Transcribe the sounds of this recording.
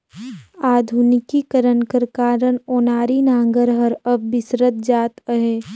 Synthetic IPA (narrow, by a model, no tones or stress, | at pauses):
aːd̪ʱunɪkikəɾənkəɾkaːɾənoːnaːɾinãːŋɡəɾɦəɾɐbːɪsɾət̪̚d͡ʒaːt̪əɦeː